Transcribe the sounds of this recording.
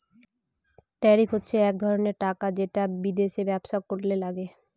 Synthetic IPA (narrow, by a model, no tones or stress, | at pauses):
ʈɛɾifɦotːɕʰeɛk̚d̪ʱɔɾoneɾʈakad͡ʑeʈabid̪eʃebɛbʃakoɾlelaɡe